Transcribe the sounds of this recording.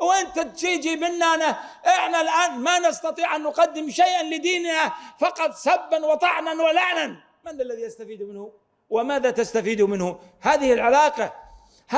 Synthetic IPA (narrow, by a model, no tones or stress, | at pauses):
wʔɪnt̪at̪̚d͡ʒiːd͡ʒimɪnːana | ʔɪħnalʔaːnmanɪst̪ɑt̪ˤiːʕʔanːʊqɑd̪ːɪmʃajʔanlɪd̪iːnhafɑqɑt̪ˤsabːanwɑt̪ˤɑʕnanwalaʕnan | manːalːaðiʔast̪afiːd̪umɪnhʊ | wɪmaːðat̪ast̪afiːd̪umɪnhʊ | haːðɪhɪlʕalaːqɑ | h